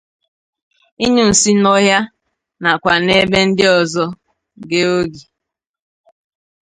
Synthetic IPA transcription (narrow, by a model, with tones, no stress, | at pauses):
i˦ɲu˦n̩˨si˦nɔ˦ɦja˦ | na˨kʷa˨ne˦be˦n̩˦dɪ˦ɔ˨zɔ˦ | ɡe˦o˦ɡi˨